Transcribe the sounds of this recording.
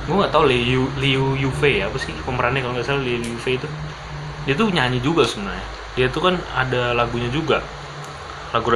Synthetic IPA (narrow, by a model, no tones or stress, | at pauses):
ɡuaŋɡaʔt̪auleuliujufejaːpasɪməməɾanɛkaloŋɡaʔsalliuliufeit̪u | diat̪̬uɲaɲid͡ʒuɡasəbənarɲa | diait̪ukana̰dalaɡuɲad͡ʒuɡa | laɡuɾ